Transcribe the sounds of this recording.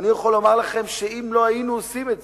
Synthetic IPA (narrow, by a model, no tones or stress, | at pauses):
nijaχolomaʁlaχe̞mʃeimlo̞ajinuosimetz